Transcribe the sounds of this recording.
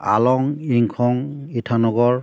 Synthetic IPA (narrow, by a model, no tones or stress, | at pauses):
a̰lɔŋiŋkʰɔŋ | itʰanɔɡɔɹ